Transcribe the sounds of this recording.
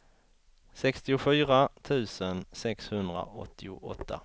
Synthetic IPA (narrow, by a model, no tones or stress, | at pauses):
sɛkst̪ɪʊfyːɾat̪ʰʉ̟ːsənsɛkshɵnd̪ɾa̰ɔ̰t̪ʰːɪʊ̰ʔɔ̰t̪ʰːa̰